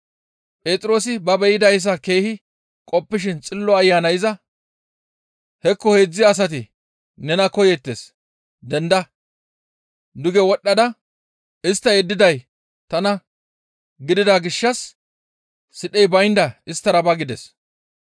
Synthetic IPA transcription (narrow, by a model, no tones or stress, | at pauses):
pʼe̞ːt̪ʼɪɾo̞ːs̬ɪbɐbɛjɪd̪ɐjs̬ɐke̞ːhɪ | kʼɔpːɪʃ̬ɪnt͡sʼɪlːɔɐjːaːnɐjɪzɐ | hɛkːɔheːd͡zːɪːs̬ɐt̪ɪ | nɛnɐkɔjɛt̪ːes | d̪ɛnd̪ɐ | d̪ʊɡɛwɔɗːɐd̪ɐ | ɪst̪ːɐjɛd̪ːɪd̪ɐj | t̪ɐnɐ | ɡɪd̪ɪd̪aɡɪʃːɐs | ɪɗɛjbɐjnd̪ɐɪst̪ːɐɾɐbɐɡɪd̪ɛs